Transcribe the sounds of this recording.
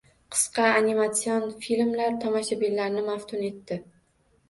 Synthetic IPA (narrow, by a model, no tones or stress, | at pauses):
qʰɨ̥sqɑːnimat̪sijonfilmlaɾt̪ʰɒmaʃabillaɾnɪmaft̪ʰʊne̞t̪ːɪ